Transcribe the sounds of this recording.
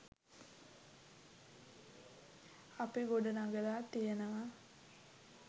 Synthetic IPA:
apiɡoɖɐnaɡɐɾaːt̪ijənəʋa

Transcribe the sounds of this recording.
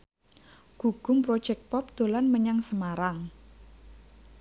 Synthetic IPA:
ɡ̥ṳɡ̥ʊ̤mpɾo̥d͡ʒɛk̚pɔp̚d̪̥o̤lanməɲaŋsəmaɾaŋ

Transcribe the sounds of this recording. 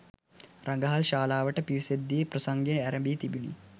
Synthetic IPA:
raŋɡəɦalʃaːlaːʋəʈəpiʋised̪ːijeprɐsaŋɡenæɾəmbiːt̪ibinḭ

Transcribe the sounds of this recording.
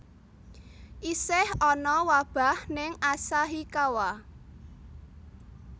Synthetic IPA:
ʔisɪhɔnɔwab̥a̤hnɪŋʔasaɦikawa

